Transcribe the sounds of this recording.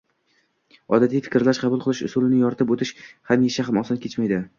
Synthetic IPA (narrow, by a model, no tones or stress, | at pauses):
ɒ̰d̪at̪ʰijfɪ̥kʲɾlaʃqʰɑbʊlˠqʰɨlˠɪʃʊ̰sulˠɪnɪjɒɾɪt̪ʰɪpot̪ʰɪʃhamjeʃaχmɒsɒnkʲe̞t͡ʃmajd̪ɪ